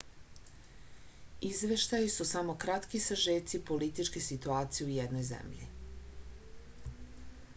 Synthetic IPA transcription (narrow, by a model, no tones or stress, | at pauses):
izʋe̞ʃt̪ajisusamo̞kɾat̪kisaʒeːt̪sipo̞lit̪it͡ʃkesit̪uaːt̪sijeujed̪no̞jzḛmʎḭ